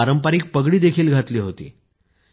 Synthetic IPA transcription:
aɾəmpaɾiːk̚pəɡɽiːd̪ekʰiːlɡʱat̪liːɦot̪ḭː

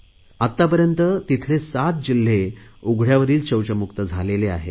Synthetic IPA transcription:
at̪ːapəɾjənt̪ət̪it̪ʰlesat̪̚d͡ʑil̤ːeuɡʱɽjaʋəɾiːlt͡ɕəwt͡ɕəmukt̪əd͡zʱalelea̰ɦḛ

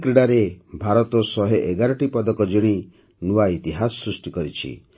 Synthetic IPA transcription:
kɾiɽaɾebʱaɾɔt̪ɔsɔɦeʔeɡaɾɔʈipɔd̪ɔkɔd͡ʒiɽ̃i | nuwait̪iɦasɔsɾusʈikɔɾit͡ʃʰḭ

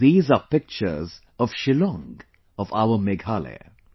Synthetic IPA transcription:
iːzapɪk̚t͡ʃə̰z | ɔv̥ʃɪlɔ̃ŋɡ | ɔva̰ʊəmeɡalḛ

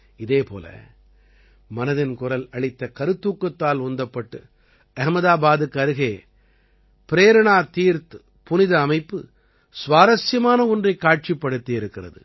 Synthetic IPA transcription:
ɪðeːpo̰ːlɐ̰ | mɐnɐðɪnkʊrɐlɐɭɪt̪ːɐkɐɾɯt̪ːuːkːɐt̪ːaːlʊnd̪ɐpːɐʈːɯ | ɐɦmɐðaːbaːðɯkɐɾɯɣeː | pɪɾeːɾɪɳaːt̪iːɾt̪ | pʊnɪðɐːmɐɪpːɯ | sʊʋaːðɐsjɐmaːnɐɔndrɐɪkːaːʈ̚t͡ʃɪpːɐɽɯt̪ːɪɪɾɯkːɪrɐ̰ðɯ̰

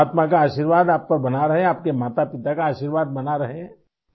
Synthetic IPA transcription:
t̪makaaːʃiːɾʋaːd̪aːp̚kɐɾbɐnaɾɐɦẽaːp̚kemaːt̪apɪt̪akaaːʃiːɾʋaːd̪̚bɐnaɾɐɦe

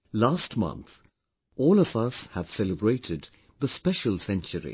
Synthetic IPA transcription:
laːstmʌ̰̃nθ | ʔɔːlˠʌvʌshəv̥sɛləbɹeɪtʰɪd̪̚ | ðəspɛʃəlˠsɛ̃nt͡ʃəɹḭ

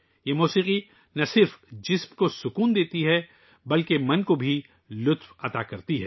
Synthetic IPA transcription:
jeːmuːsiːqi | nɐsɪɾfd͡ʒɪsmkosʊkuːnd̪eːt̪iɦɛ | bɐlkemɐnkobʱi | lʊt̪wɐt̪akɐɾt̪iɦɛː

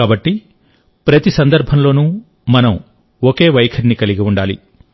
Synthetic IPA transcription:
aːbɐʈːi | pɾɐt̪isɐnd̪ɐɾbʱɐmlo̞ːnu | mɐnɐm | oke̞ːʋɐjkʰɐɾnikɐliɡiuɳɖaːlḭ

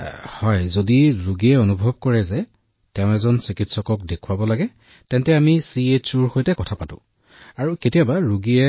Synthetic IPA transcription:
hɔjzodiɹuɡiɛonubʱɔb̚kɔɹɛzɛ | tɛʊ̃ɛzɔnsikitsɔkɔk̚dekʰuabɔlaɡɛ | tɛntɛamisiet͡ʃuɹxojtɛkɔtʰapatʊ̰̃ | aɹuketijabaɹuɡiɛ

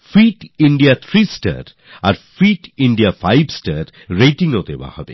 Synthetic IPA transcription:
fiʈiɳɖiat̪ʰɾisʈa̰ɾ | aɾfiʈiɳɖiafajbsʈaɾ | ɾejʈiŋod̪eba̰hɔ̰bḛ

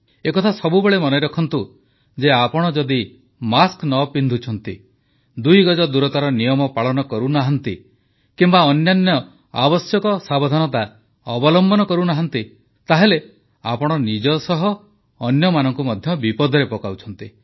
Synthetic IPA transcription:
ekɔt̪ʰasɔbubeɭemɔnɔɾɔkʰɔnt̪u | d͡ʒeapɔɽ̃ɔd͡ʒɔd̪i | masknɔpind̪ʱut͡ʃʰɔnt̪ḭ | d̪ujɡɔd͡ʒɔd̪uɾɔt̪aɾɔnijɔmɔpaɭɔnɔkɔɾunaɦɔnt̪i | kimbaɔnjɔnjɔ | abɔsjɔkɔsabɔd̪ʱanɔt̪a | ɔbɔlɔmbɔnɔkɔɾunaɦɔnt̪i | t̪aɦele | a̰pɔɽ̃ɔnid͡ʒɔsɔɦɔː | njɔmanɔŋkumɔd̪ʱjɔbipɔd̪ʱɔɾepɔkawt͡ʃʰɔnt̪i

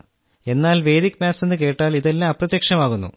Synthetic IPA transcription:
e̞nːaːlʋe̞ːðikʲːmaːse̞nːɨke̞ːʈːaːliðelːaːɐprɐt̪jɐkʂɐmaːɣunːṵ

